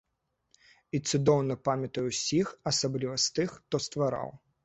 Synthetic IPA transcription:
it̪sud̪ɔwnɐpamʲɐt̪ɐjuwsʲixɐsablʲivɐst̪ɨxt̪ɔst̪vaɾa̰w

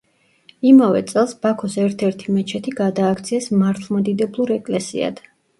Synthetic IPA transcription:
imavɛ̰t̪sʼɛlˠsb̥akʰɔsɛɾt̪ʰɛɾt̪ʰimɛt͡ʃʰɛt̪ʰiɡad̪aːkʰt̪sʰiɛsmaɾt̪ʰlˠmad̪id̪ɛblˠuɾɛkʼlɛsḭa̰d̪̥

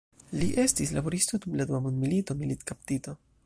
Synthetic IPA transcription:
liʔe̞stislabo̞ɾist̪od̪umlad̪uamund̪milito̞milit̪kaptito̞

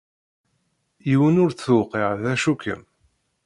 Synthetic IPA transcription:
iwənʊɾθθuwqiʕðæʃukə̰m

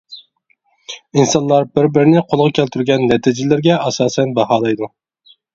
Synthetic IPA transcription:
insɑnlːˠɑɾbɪɾbɪɾɪnɪqʰolˠʁɑkʲʰælt̪ʰyɾɡʲɛnːɛt̪ʰɪd͡ʒɪlɪɾɡʲɛʔɑsɑːsɛnbɑɦɑːlˠɑjd̪u

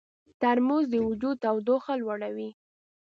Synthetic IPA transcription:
t̪aɾmuzd̪əwʊd͡ʒud̪awd̪oxalwaɽawi

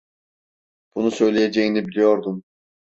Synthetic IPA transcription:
b̥unusø̞jlʲejed͡ʒɛjinibilʲijo̞ɾd̪um

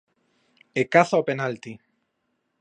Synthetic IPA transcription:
ekaθaopenalt̪i

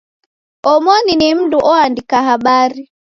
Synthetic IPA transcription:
ɔmɔninim̩duʔɔandikaɦaɓaɾi

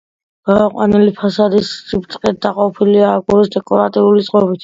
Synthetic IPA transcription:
ɡ̥amɔqʼwa̰nilipʰasad̪isːipt̪ʼqʼɛt̪̚d̪aqʼɔpʰiliaːɡuɾisd̪ɛkʼɔɾat̪ʼiulit̪sʼqʼɔbit̪ʰ

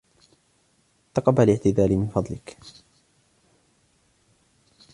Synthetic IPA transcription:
t̪ɑqɑbalɪʕt̪ɪd̪aːlɪmɪnfɑd̪ˤlɪk

